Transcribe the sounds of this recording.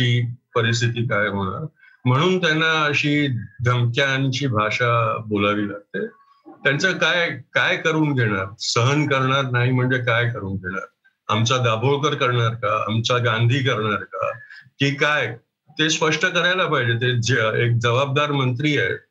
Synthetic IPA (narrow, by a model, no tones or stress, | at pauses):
iːpəɾis̬t̪ʰit̪iːkajɦoɽ̃a̰ɾ | m̤əɽ̃uːnt̪janːaəɕiːd̪ʱəmkjaːñiɕiːbʱaʂabolaʋiːlaɡ̚t̪e | t̪jant͡səkajkajkəɾuːnɡ̪ʱeɽ̃aɾsəɦənkəɾɳaɾnaɦim̤əɳd͡zekajkəɾuːnɡ̪ʱeɽ̃a̰ɾ | amt͡ɕad̪abʱoɭkəɾkəɾɳaɾkaa̰mt͡ɕaɡand̪ʱiːk̬əɾɳaɾka̰kiːkaj | t̪espəʂʈəkəɾajlapaɦd͡ʑet̪ed͡ʑek̚d͡zəʋab̚d̪aɾmənt̪̬ɾiːajt̪